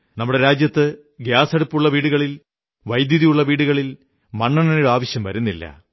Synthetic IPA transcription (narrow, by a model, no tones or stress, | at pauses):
nɐmːuɽe̞ɾaːd͡ʑjɐt̪ːɨ | ɡjaːseɽupːuɭːɐʋiːɽuɣɐɭil | ʋɐjd̪jɐðijuɭːɐʋiːɽuɣɐɭil | mɐɳːɐɳɐnɽuaːʋɐɕjɐmʋɐɾunːilːɐ̰